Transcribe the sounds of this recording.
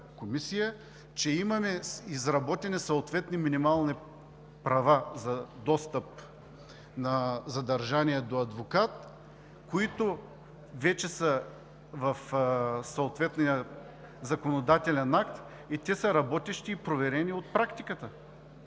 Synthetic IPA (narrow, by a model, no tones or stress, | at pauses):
komisijə | t͡ʃɛimɐmɛizɾɐbɔt̪ʲɛnisoot̪vɛt̪niminimalˠni | pɾɐvazɐd̪ɔst̪əp̚ | nɐzɐd̪ɐɾʒaniɛd̪oɐd̪vokat̪ | koit̪o | vɛt͡ʃɛsə | vɐfsɐot̪vɛt̪nijə | zɐkonod̪at̪ɛlʲɛnakt̪ | it̪ʲɛsɐɾɐbɔt̪ɛʃt̪iːpɾovɛɾɛniot̪̚pɾakt̪ikət̪ə